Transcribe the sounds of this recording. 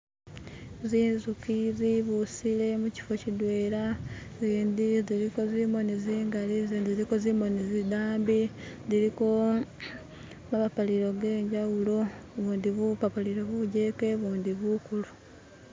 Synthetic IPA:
ziːnzukiziβusile̞muci̥fo̞cid̪weːɾaziːnd̪iziɾiko̞zimo̞niziːŋɡaliziziɾiko̞zimo̞nizid̪aːmbi | ziɾiko̞ | maβapaliɾo̞ɡe̞ːɲɟawuloβuːnd̪iβupapaliɾo̞βuɟeke̞βuːnd̪iβukulu

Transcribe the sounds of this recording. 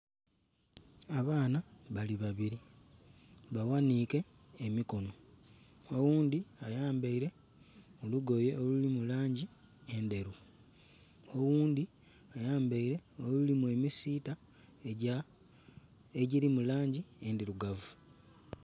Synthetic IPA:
aβaːnaβaliβaβiɾi | βawanike̞ː | miko̞no̞ | owuːndiajaːmbaiɾe̞ | oluɡo̞je̞olulimulaːɲɟi | e̞nde̞ɾu | owuːnd̪i | ajaːmbaiɾe̞olulimue̞misiːta | eɟilimulaːɲɟiendiɾuɡavu

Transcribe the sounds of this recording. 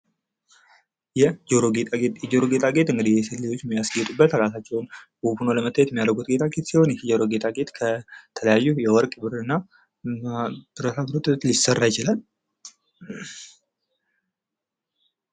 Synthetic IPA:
jɛd͡ʒoɾoɡejɛd͡ʒoɾoɡe̞t̪ʼaɡe̞t̪ɨŋɡɨd̪ihjɛsɨlːijo̞t͡ʃːjɛmijasɡəjɛt̪ʼubːət̪ɾasat͡ʃːɛwnbupunoləmət̪ʰːajɛt̪jɛmːjad̪ɾɡut̪ɡe̞t̪ʼʰaɡe̞t̪siho̞njɛd͡ʒoɾo̞ɡe̞t̪ʼaɡe̞t̪kʰət̪ʰələjajːujɛwɔɾkʼbɨɾɨnːa | b̥ɨɾət̪ʰat̪ɾot̪ʼt̪lisərːajɪt͡ʃɪlal

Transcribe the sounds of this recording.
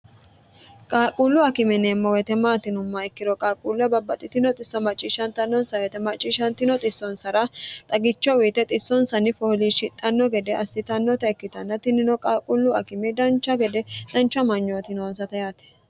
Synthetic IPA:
kʼaːkʼulːʊɐkɪmɛneːmːɔwɛt̪ɛmaːt̪ɪnʊmːɐɛkːɪɾɔkʼaːkʼulɐbɐbːɐt̪ʼːɪt̪ɪnɔt̪ʼɪsːɔmɐt͡ʃʼːiːʃɐnt̪ɐnːɔnsɐwɛt̪ɛmɐt͡ʃʼːiːʃɐnt̪ɪnɔt̪ʼɪsːɔnsɐɾɐt̪ʼɐɡɪt͡ʃːɔwiːt̪ɛt̪ʼɪsːɔnsɐnɪfɔhliːʃɪt̪ʼːɐnːɔɡɛd̪ɛʔɐsːɪt̪ɐnːɔt̪ɐɛkːɪt̪ɐnːɐt̪ɪnːɪnɔkʼaːkʼʊlːʊɐkɪmɛd̪ɐnt͡ʃːɐɡɛd̪ɛd̪̥ɐnt͡ʃːɐmɐɲːɔt̪ɪnonsɐt̪ɐjaːt̪ɛ̥

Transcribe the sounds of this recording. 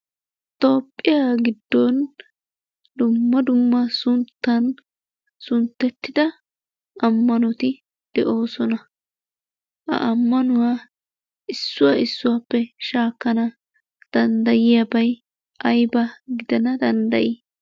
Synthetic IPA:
t̪o̞ːpʼːɪjaːɡɪd̪ːɔn | d̪ʊmːɐd̪ʊmːɐsʊnt̪ːɐn | sʊnt̪ːɛt̪ːɪd̪ɐ | ɐmːɐnɔt̪ɪ | d̪̥ɛʔo̞ːsɔnɐ | ʔɐ̰ʔɐmːɐnʊwa | ɪsːʊwaɪsːʊwaːpːɛʃaːkːɐnɐ | d̪̥ɐnd̪ɐjɪjabɐj | ɐjbɐɡɪd̪ɐnɐd̪ɐnd̪ɐʔiː

